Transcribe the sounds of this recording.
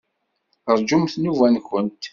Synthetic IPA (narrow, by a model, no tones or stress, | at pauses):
əɾˤd͡ʒumθnuvænkənt̪